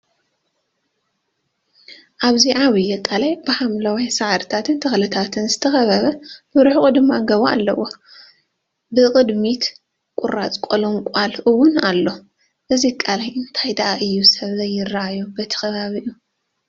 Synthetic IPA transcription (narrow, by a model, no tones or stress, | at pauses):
ʔaβziʕawijːɛkʼalajbɨħamlɐwajsaʕaɾɨt̪ʰat̪ʰɨnt̪ʰɐxlɨt̪ʰat̪ʰɨnzɨt̪ʰɐxɐβɐβɐbɨɾɨħuxʼud̪ɨmːaɡɐβaa̰lːɐ̰wo | bɨkʼɨd̪mit̪ | kʼʊɾat͡sʼkʼoluŋkʷʼalʔɨwːʊnalːo̞ | ʔɨzikʼalajʔɨnt̪ʰajd̪aʔaʔɨjːusɐβzɐjːɪrːaʔajubɐt̪ʰɐ̥xɐβaβiʔu